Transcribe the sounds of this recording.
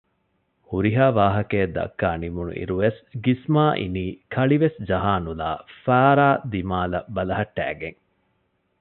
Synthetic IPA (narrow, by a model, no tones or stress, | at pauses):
huɾiɦaːʋaːɦɐkeːd̪ɐ̰kːaːnimunṵʔḭɾuʋesɡismaːʔḭniːkʰɐɭiʋesd͡ʒɐɦaːnula̰ːfaːɾaːd̪imaːlɐ̰bɐlɐɦɐʈːæ̰ːɡeŋ